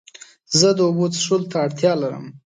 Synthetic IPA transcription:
zəd̪əobod̪ʂult̪aːɽt̪jɑlaɾə̰m

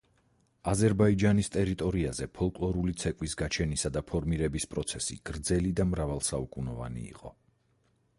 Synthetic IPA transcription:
azɛɾbaid͡ʒanist̪ʼɛɾit̪ʼɔɾiazɛpʰɔlˠkʼlˠɔɾulit̪sʰɛkʼwisɡat͡ʃʰɛnisad̪apʰɔɾmiɾɛbispʼɾɔt̪sʰɛsḭɡ̥ɾd̪zɛlid̪amɾavalˠsaukʼunɔva̰nḭḭqʼɔ

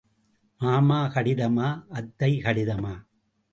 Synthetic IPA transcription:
maːmaːkɐɽɪðɐmaːʔɐd̪ːɐɪkɐɽɪðɐmaː

